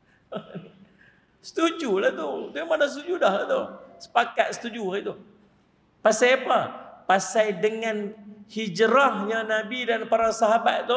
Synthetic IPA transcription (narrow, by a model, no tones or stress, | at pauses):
sə̥t̪ud͡ʒulaht̪ut̪umadahsət̪ud͡ʒudahlat̪usə̥pakat̪̚sə̥t̪ud͡ʒuait̪u | pasajapapasajdəŋanhid͡ʒɾahɲanabidanpaɾasaɦabat̪̚t̪ːu